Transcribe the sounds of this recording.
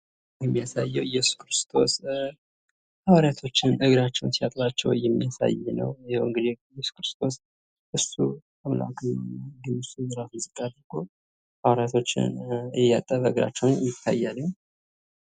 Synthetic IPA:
jɛmːijasajːɛwjɛsu̥kɾɨst̪ʰo̞̰s | hawaɾjat̪ʰo̞t͡ʃːɪnɨɡɾat͡ʃːɛwnsiat̪ʼɾat͡ʃːɛ̰wjɛmːijasa̰jːnə̰wjɛhɨŋɡɨd̪ijɛsu̥kɾɨst̪ʰo̞s | ʔɨsːu | əmla̰kʼɨɲnːaɡɨnɨsujɨɾaszʼɨk̪ʼːad̪əɡo | hawaɾjat̪ʰo̞t͡ʃːɪ̰nɛjat̪ʼːəβəɨɡɾa̰t͡ʃːɛwnjɪt̪ʰːa̰jːalːəɲ

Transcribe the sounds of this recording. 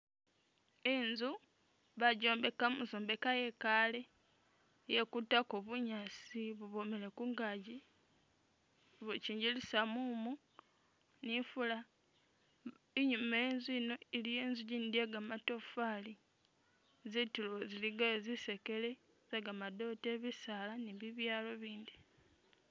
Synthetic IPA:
enzu | βaɟoːmbe̞kamuzoːmbe̞kaje̞kale̞ | jekutakoβuɲasiβuβo̞mele̞kuŋɡaɟi | βuciːɲɟilisamumu | nifula | iɲumeenziːno̞ilijeːnzuɟindieɡamato̞fali | zituloziliɡazise̞ke̞le̞ | zeɡamado̞teβisalaniβiβjaːlo̞βiːndi

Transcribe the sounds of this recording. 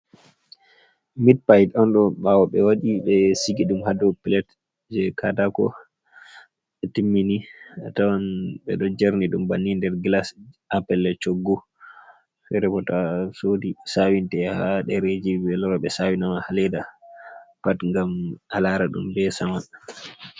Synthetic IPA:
mit̚pajtɔnɗɔɓawɔɓɛwaɗiɓɛsiɡiɗumhadɔpilɛt | d͡ʒɛkʰadakɔ̰ | ɓɛtimːiniatawanɓɛ̰ɗɔd͡ʒaɾniɗumbanːindɛɾɡlasapɛlɛt͡ʃoɡːu | fɛɾɛpɔtasodisawintɛhaɗɛɾed͡ʒibɛlɔɾɔɓɛsawinamahalɛda | patŋɡamalaɾaɗṵmbɛsaman

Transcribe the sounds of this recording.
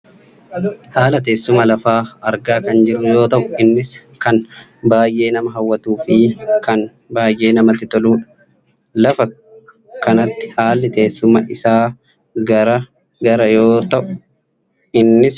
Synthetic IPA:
haːlɐt̪̬e̞ːsːʊmɐlɐfaːɐɾɡaːkɐnd͡ʒɪɾʊjo̞ːt̪ɐʔʊɪnːɪskɐn | baːjʔe̞ːnɐmɐɦɐwːɐt̪uːfiːkɐn | baːjʔe̞ːnɐmɐt̪ːɪt̪ɔluːᶑɐ̥ | lɐfɐ | kɐnɐt̪ːɪ̥haːlːɪt̪e̞ːsːʊmɐʔɪsaː | ɡɐɾɐ | ɡɐɾɐjo̞ːt̪ɐʔʊ | ɪnːɪs

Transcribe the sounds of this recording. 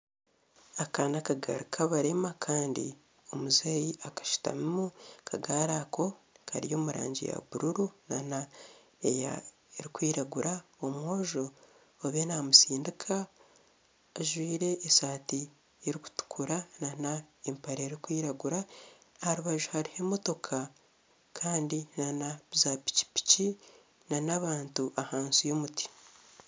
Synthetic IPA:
akaːnakaɡa̰ɾukʰaβaɾe̞makʰaːndḭ | o̞muzajiʔakḁʃu̥ta̰mimukʰaɡaːɾakʰo̞kʰa̰ɾijo̞ːmuɾa̰ːɲɟḭja̰buɾuɾuna̰na | eja̰ | eɾikwiːɾaɡuɾʔaomwo̞ːʒoː | βenamusiːndikʰa | ʒwiːɾe̞ʔːsaːti | eɾiku̥tu̥kʰuɾananaempaɾeɾikwiːɾaɡuɾahaɾuβaʒuhaɾihemo̞to̞kʰa | kʰaːndinanazapi̥ci̥pi̥ci | nanaβaːntuʔahaːnsujo̞muti̥

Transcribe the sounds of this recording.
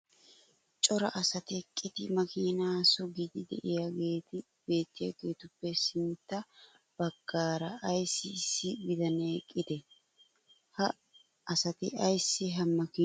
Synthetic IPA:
t͡ʃʼɔɾɐ̰ʔɐsɐt̪ɪkʼːɪd̪ɪmɐkiːnaːsɔɡɪd̪ɪd̪ɛ̰ʔɪjaɡeːt̪ɪ | b̥e̞ːt̪ːɪja̰ɡe̞ːt̪ʊpːɛsɪnt̪ːɐ | b̥ɐɡ̥ːaːɾɐʔɐjsːɪsɪɡɪd̪ɐneːkʼːɪd̪ɛ | hɐ | ɐsɐt̪ɪʔɐjsːɪɦɐmɐkiː

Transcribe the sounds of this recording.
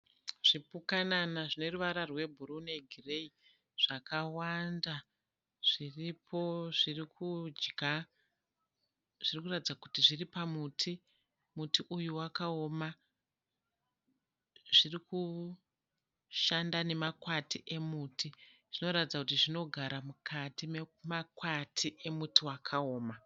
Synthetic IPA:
ʐ̥ipukananaʐine̞ruʋaɾarwe̞bʱuɾune̞ɡʱire̞i | ʐ̥akawanda | ʐ̥iripʰo̞ʐirikʰud͡ʒɡa | ʐirikuratid͡zakutiʐiripamutʰi | mutiʔujuwakao̞ma | ʐiriku | ʃandane̞makwatiʔe̞muːtʰiʐ̥ino̞ɾatid͡zakutiʐino̞ɡʱaɾamukʰatimmakwatʰiʔe̞mutʰiwakʰao̞ːma

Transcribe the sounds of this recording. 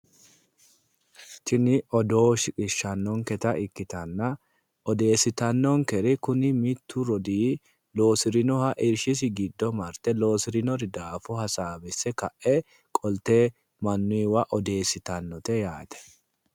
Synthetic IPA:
t͡ʃɪnɪʔɔd̪o̞ːʃɪkʼɪʃːɐnːɔŋkɛt̪ɐʔɪkːɪt̪ɐnːɐ | ɔd̪e̞ːsɪt̪ɐnːɔŋkɛɾɪkʊnɪmɪt̪ʰːʊɾɔd̪iː | lo̞ːsɪɾɪnɔhɐʔɪɾʃɪs̬ɪɡɪd̪ːɔmɐɾt̪ɛlo̞ːsɪɾɪnɔɾɪd̪aːfʊhɐsaːbɪsːɛkɐʔʔɛ | kʼɔlt̪eː | mɐnːʊjwɐʔɔd̪e̞ːsɪt̪ɐnːɔt̪ɛjaːt̪ɛ̥

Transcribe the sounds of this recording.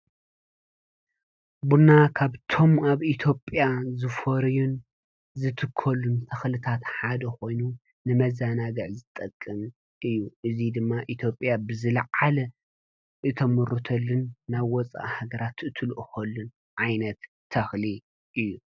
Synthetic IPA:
bunakʰaβt̪ʰo̞maβit̪ʰjo̞pʼjazɨfɐɾjun | zɨt̪ʰɨkʰːɐlːunt̪ʰɐxlɨt̪ʰat̪ħad̪ɐko̞jnu | nɨmɐzanaɡɐʕzɨt̪ʼɐkʼːɨm | ɨjːuʔɨzid̪ɨmːaʔit̪ʰjo̞pʼjabɨzɨlɐʕalɐ | ʔɨt̪ʰɐmɨɾut̪ʰɐlːɨnːaβwɔt͡sʼa̰ʔhaɡɐɾat̪ɨt̪ʰɨlʔɨxɐlːun | ʕajnɐt̪ʰː | ɐxli | ʔɨjːu

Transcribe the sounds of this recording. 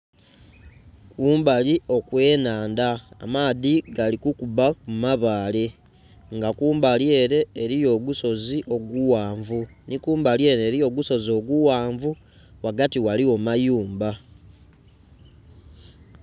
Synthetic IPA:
kuːmbalio̞kwe̞ːnaːnda̰ːmaːðiɡalikukuβakumaβaːle̞ | ŋɡakuːmbalje̞ːɾe̞ːɾijo̞ːɡuso̞ziʔo̞ɡuwaːɱvunikuːmbalje̞ːɾe̞ːɾijo̞ɡuso̞zo̞ɡuwaːɱvu | waɡatiwalio̞majuːmba

